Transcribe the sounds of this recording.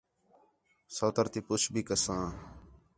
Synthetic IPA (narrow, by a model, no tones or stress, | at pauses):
soːt̪əɾt̪iːpʊt͡ʃʰbʱiːkəsãː